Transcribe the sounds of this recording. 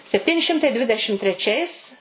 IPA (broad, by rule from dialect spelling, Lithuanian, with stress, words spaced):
sʲɛpʲˈtʲiːnʲɪ ˈʃʲɪmtɐɪ ˈdʲʋʲɪdʲɛʃʲɪm tʲrʲɛˈt͡ʃʲɛɪs